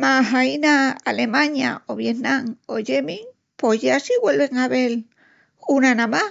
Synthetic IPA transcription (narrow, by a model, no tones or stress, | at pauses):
maɦajnaa̰lemaɲja̰oβjenaŋojemiŋ | pojasiwelβeŋaβel | kʼunanama